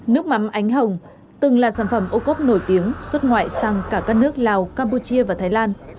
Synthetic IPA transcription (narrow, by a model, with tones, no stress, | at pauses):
nɨ˦˥ək̚ma˨˦mʔa˨˦jŋ̟ɦə˨˩wŋ͡m | t̪ɨ˨˩ŋla̰ː˧˨nsaː˧˩nfə˧˩mʔo˧ko˦˥p̚no˧˩jt̪i˨˦əŋswə˦˥t̚ŋwa̰ː˧˨jsaː˧˩ŋkaː˧˩kaː˦˥k̚nɨ˦˥ək̚laː˨˩wkaː˧mpu˧t͡ɕi˧əvaː˨˩t̪ʰaː˨˦jlaː˧n